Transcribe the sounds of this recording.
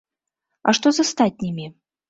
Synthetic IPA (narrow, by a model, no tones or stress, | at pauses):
aʂt̪ɔzɐst̪at̚ʲnʲimʲi